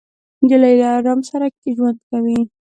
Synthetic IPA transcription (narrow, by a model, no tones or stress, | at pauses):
d͡ʒɪlajd̪aːɾamsaɾak̚keʒwand̪kawi